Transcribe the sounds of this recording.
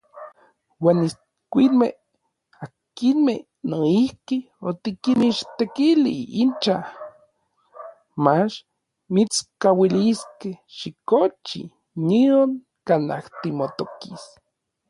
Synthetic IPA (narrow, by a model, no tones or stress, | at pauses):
waːnis | kʷinmḛh | akinmeh | noihki | ot̪ikiniʃt̪ekilḭint͡ʃa | mat͡ʃ | mit͡skawiliskehʃikot͡ʃḭ | nioŋ | kana̰ht̪imot̪okis